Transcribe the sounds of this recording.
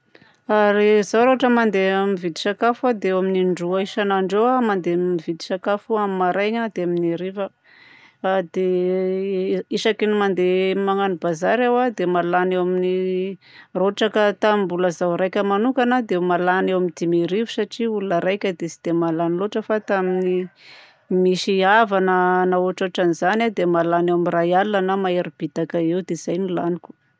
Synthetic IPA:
aɾizawɾoaʈ͡ʂəmand̪emivid̪i̥sakafad̪eewaminiɳɖ͡ʐuaiʃanaɳɖ͡ʐoamand̪emivid̪i̥sakafuamimaɾajɲad̪eaminiɾivə | d̪e | iʃakinimand̪emaŋanibazaɾawad̪emalanewamini | roʈ͡ʂakət̪amimbuləzawɾajkʲəmanukanad̪emalanewamind̪imiɾivusaʈ͡ʂiulunəɾajkʲəd̪esi̥d̪̥emalaniloʈ͡ʂəfat̪amini | miʃiavanənaoʈ͡ʂoʈ͡ʂanizanad̪emalanewamirajalanəmaeɾib̥it̪akəewd̪ez̥ajnilanikʲu̥

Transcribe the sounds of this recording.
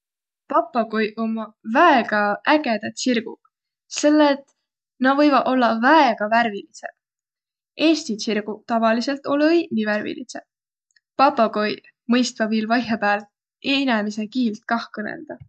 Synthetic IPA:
pɑpːɑkojʔomɑvæeɡ̥ɑæɡ̥e̞d̪̥ɑt̪sirɡ̥ṵ̥ | se̞lːet̪ | nɑvɤjvɑo̞lːɑvæeɡ̥ɑværvilisḛb̥ | ʔe̞ːst̪isirɡ̥ut̪ɑvɑlise̞lt̪ˑo̞lɤjniværvḭlḭsḛ̥ | pɑpːɑkoj | mɤjst̪vɑviːlvɑjɦepæːlt̪ | ʔenemise̞kiːlt̪̚kɑhkɤnḛld̪̥ɑ

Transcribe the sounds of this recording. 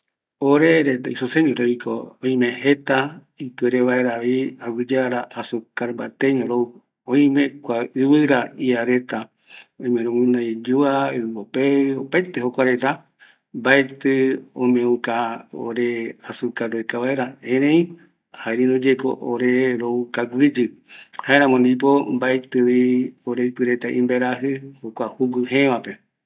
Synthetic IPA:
oɾeɾet̪aisoseɲõɾoiko̰õĩmẽhet̪a | ipɨeɾeβaeɾaβiawʷɨd͡ʒaaɾaʔasukaɾmbat̪eɲõɾou | õĩmẽkʷaɨβɨɾaiaɾet̪a | õmẽɾõŋũnaid͡ʒuaɨmbopeopajt̪ehokʷaɾet̪a | mbaet̪ɨõmẽũkao̰ɾeasukaɾojkaβaeɾaẽɾẽĩ | haeɾinõd͡ʒeko̰ʔoɾeɾoukaɡʷid͡ʒɨhaeɾãmõnd̪ip̬o̞mbaet̪ɨβioɾeɨpɨɾet̪aʔĩmbeɾaɦɨhokʷahuɡɨhẽʋãpe

